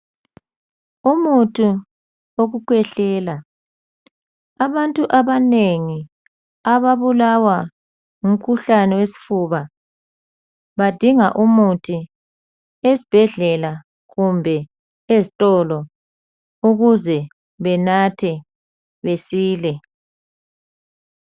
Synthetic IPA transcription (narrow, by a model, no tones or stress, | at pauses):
umutʰu | oɣukʰwɛɬɛːla | aβantʼuʔaβaneŋi | aβaβulawa | ŋum̩kʰuɬanɛwesi̥fuβa | βad̥ʱiŋaʔumutʰi | esib̥ʱɛɮɛla | ɣumbʱɛ | ezitʼɔlɔ | uɣuzɛ | βɛnatʰɛ | βesiːlɛ